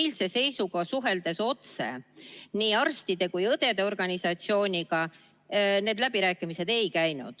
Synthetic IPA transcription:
jlse̞se̞jsuɡ̥ɑsuɦe̞ld̪̥e̞so̞t̪sḛniːɑrst̪id̪̥e̞kujɤd̪̥e̞d̪e̞o̞rɡ̥ɑnʲisɑt̪sio̞ːnʲiɡ̥ɑ | ne̞ːd̪læb̥iɾæːkːˑimise̞d̪̥e̞jkæjnṵd̪̥

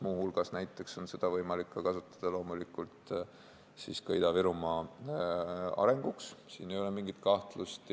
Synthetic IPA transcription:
muːhulɡ̥ɑsnæjt̪ːˑekso̞nse̞d̪̥ɑvɤjmɑlikːɑkɑsut̪ːˑɑ̥d̪̥ɑlo̞ːmulikːˑult̪ˑ | siskɤjd̪ɑviɾumɑ | ɑ̰ɾe̞ŋɡ̥ukssiːne̞jo̞lemiŋɡ̥it̪kɑht̪lust̪

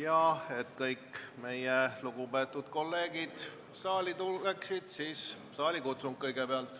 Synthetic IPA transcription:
jɑe̞t̪kɤjkːme̞jeluɡ̥upe̞ːt̪ːˑud̪̥ko̞lːe̞ːɡ̥id̪̥ | sɑːlʲit̪uleksid̪̥siːs | sɑːlʲikut̪suŋɡ̥̚kɤjɡ̥e̞peɑlt̪ˑ

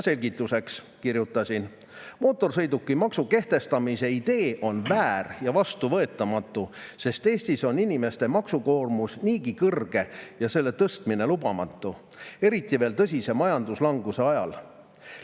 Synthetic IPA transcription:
se̞lʲɡit̪ːˑuse̞ks | kirjut̪ːˑɑsʲin | mo̞ːt̪ːˑo̞rsɤ̞jd̪ukːimɑksuke̞ht̪e̞st̪ɑmise̞id̪̥e̞ːʔo̞nvæːɾjɑvɑst̪uvɤ̞et̪ːˑɑmɑt̪ːˑuse̞st̪e̞ːsʲt̪iso̞nːinime̞st̪e̞mɑksuko̞ːrmusniːɡikɤrɡ̥e̞jɑse̞lːe̞t̪ɤst̪mine̞lubɑmɑt̪ˑːu | e̞ɾit̪ːˑive̞ːlt̪ɤs̬ʲise̞mɑjɑnd̪̥uslɑŋɡuse̞ɑjɑ̰l

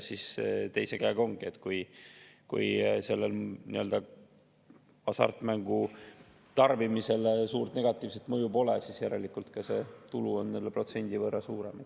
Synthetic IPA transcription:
sist̪e̞jse̞ɡæjɡ̥o̞ŋɡ̥ie̞t̪ːˑkujkṵjse̞lːelniø̞ld̪ɑ | ɑsɑ̰rt̪ːˑmæŋɡ̥u | t̪ɑrbimise̞lsuːrt̪ne̞ɡ̥ɑt̪ˑːiːvset̪mɤjubo̞lesisjæɾe̞likːˑult̪kɑse̞t̪uluo̞nːenlːd̪epro̞t̪se̞nʲd̪̥ivɤrːɑsuːɾe̞me

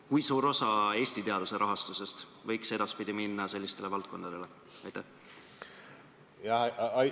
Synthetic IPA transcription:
kujsuːɾo̞sɑe̞ːsʲt̪it̪e̞ɑd̪̥use̞ɾʔɑɦɑst̪use̞st̪ | vɤjkse̞d̪ɑspid̪̥iminːɑse̞lːist̪e̞le̞vɑlt̪̚ko̞nd̪ɑd̪̥e̞le̞ | ɑjt̪æh | jɑ

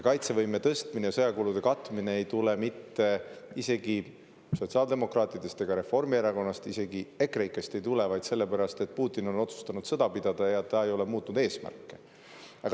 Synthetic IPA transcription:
kɑjt̪se̞vɤjme̞t̪ɤst̪minejɑsɤjɑkulud̪̥e̞kɑt̪ːˑumineejt̪ulemit̪ːe̞ise̞ɡi | so̞t̪ʲsiɑld̪e̞mo̞krɑːt̪ˑid̪e̞st̪e̞ɡ̥ɑɾe̞fo̞rmieɾɑko̞nːɑst̪ise̞ɡ̥ie̞kˑrejkːˑest̪e̞jt̪ulevɑjd̪̥se̞lːe̞pæɾɑst̪e̞t̪̚puːt̪ːˑino̞no̞t̪su̥st̪ɑnud̪̥sɤd̪̥ɑpid̪̥ɑd̪̥ɑjɑt̪ɑejo̞le̞muːt̪ːˑnud̪e̞ːsmæ̰rkːe̞̥ | ɑɡ

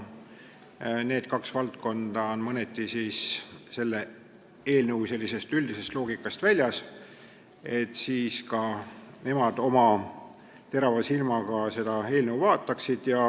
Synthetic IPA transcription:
ne̞ːd̪̥kɑksvɑlt̪ko̞nd̪̥ɑonmɤnet̪ːˑisiːsse̞lːe | e̞ːlnəwse̞lʲːise̞st̪ylʲd̪ise̞st̪lo̞ːɡ̥ikːˑɑst̪vælʲjɑs | e̞t̪ːˑsiːskɑne̞mɑd̪̥o̞mɑ | t̪e̞ɾɑvɑsilmɑɡ̥ɑse̞d̪̥ɑe̞ːlnəwvɑːt̪ːˑɑksid̪̥jɑ

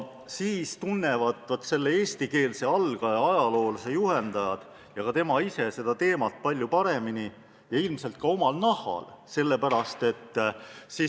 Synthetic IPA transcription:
siːst̪unːe̞vɑd̪ˑvot̪ːˑse̞lːeeːst̪ike̞ːlse̞ɑlɡ̥ɑɑɑjɑlo̞ːlse̞juhe̞nd̪ɑjɑd̪̥ | jɑkɑt̪e̞mɑise̞se̞d̪̥ɑt̪e̞ːmɑt̪̚ˑpɑlʲːjupɑɾe̞mini | jɑilmse̞lt̪̚kɑo̞mɑlnɑhˑɑ̰lse̞lːe̞pæɾɑst̪e̞t̪ːsi

